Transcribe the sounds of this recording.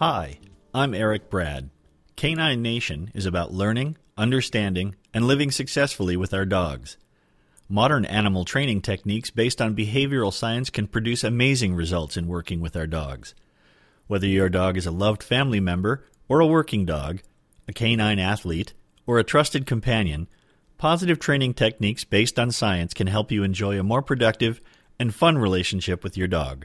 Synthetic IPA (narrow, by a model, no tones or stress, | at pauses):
haɪ | ãɪ̃mɛɹɨk̚b̥ɹæ̰d̚ | kʰẽɪ̃nãɪ̃nːeɪʃɨ̃nɨ̰zɨbaʊʔˡlɜ̃˞nɪ̃ŋ | ʔʌ̃ndə˞stæ̃ndɪ̃ŋ | ɨ̃nlɪvɪ̃ŋsɨksɛsfl̩ˠiwɨðaʊə˞dɔɡz̥ | mɑɾə̃˞nʔæ̰nəml̩ˠtʰɹ̥ẽɪ̃ñɪ̃ŋtʰɛk̚niksb̥eɪstn̩bɨɦeɪvjə˞l̩ˠsaɪɨ̃nskʰɨ̃npʰɹ̥ɨdʉsɨmeɪzɪ̃ŋɹɨzʌlˠtsɨ̃nwɜ˞kɪ̃ŋwɨðaʊə˞dɔ̰ɡz̥ | wɛðə˞jə˞dɔɡɨzəlʌvd̥fæ̃mlimɛ̃mbə˞ | ə˞əwɜ˞kɪ̃ŋdɔ̰ɡ | ɨkʰẽɪ̃nãɪ̃næθliɾ | ə˞ɨtʰɹ̥ʌstɨd̚kʰɨ̃m̩pʰæ̃njɨ̰̃n | pʰɑzɨɾɨv̥tʰɹ̥ẽɪ̃nɪ̃ŋtʰɛk̚niksb̥eɪstn̩saɪɨ̃nskʰɨ̃nɦɛlˠpjɨɨ̃nd͡ʒɔɪɨmɔɹpʰɹ̥ɨdʌk̚tɨv | ɨ̃nfʌ̃nɹileɪʃn̩ʃɪpwɨðjə˞dɔ̰ɡ̥